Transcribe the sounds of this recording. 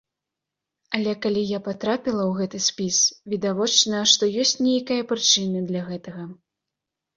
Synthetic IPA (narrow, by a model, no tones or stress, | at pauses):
ɐlʲɛkalʲijapat̪ɾapʲilˠɐwɣɛt̪ɨsʲpʲisvʲid̪avɔt͡ʂnɐʂt̪ɔjɔsʲt͡sʲnʲejkɐjɐpɾɨt͡ʂɨnɨd̪lʲɐɣɛt̪ɐɣɐ